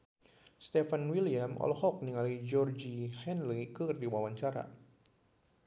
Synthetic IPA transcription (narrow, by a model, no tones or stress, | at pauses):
st̪ɛfanwiliamɔ̰lhɔk̚niŋalid͡ʒɔrd͡ʒihɛnlikɨdiwawaɲt͡ʃaɾa̰